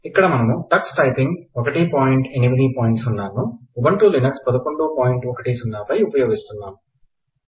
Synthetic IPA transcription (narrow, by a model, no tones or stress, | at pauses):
ikːɐɽɐmɐnɐmuʈɐksʈɐjpiŋɡɔkɐʈipaːjɳʈenimid̪ipoːjiɳʈsunːaːnuubɐɳʈulinɐkspɐd̪ɐkoɳɖupaːjiɳʈɔkɐʈiːsunːaːpɐjupɐjoːɡist̪unːaːmu